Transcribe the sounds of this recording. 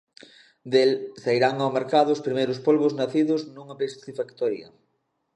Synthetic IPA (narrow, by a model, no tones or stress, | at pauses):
d̪elsaiɾaŋawmeɾkaðʊːspɾimejɾʊspolβʊznaθiðʊznuŋɐpest̪ifakt̪ɔɾjɐ̰